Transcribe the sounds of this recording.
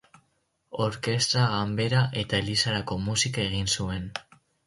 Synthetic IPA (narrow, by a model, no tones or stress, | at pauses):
o̞ɾke̞st̪ɾaɣambe̞ɾaʔe̞t̪aelisaɾako̞musikae̞ɣ̞insue̞n